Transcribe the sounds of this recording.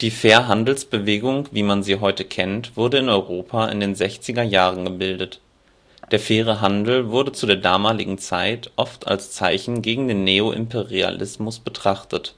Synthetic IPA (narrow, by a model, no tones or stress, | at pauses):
d̥iːfeːɐɦandl̩sb̥əveːɡʊŋviːmanziːɦɔʏtəkʰɛntv̥ʊɐdəɪnɔʏʁoːpʰaɪ̰ndeːnzɛçt͡sɪɡɐjaːʁ̞ənɡəbɪldət | d̥eːɐfɛːʁ̞əɦandl̩vʊɐdət͡sudeːɐdaːmaːlɪɡŋ̩t͡saɪtʔɔftʰa̰lst͡saɪçn̩ɡeːɡŋ̩deːnːeːoʔɪ̰mpʰeʁia̰lʔɪsmʊsb̥ətʁ̥aχtət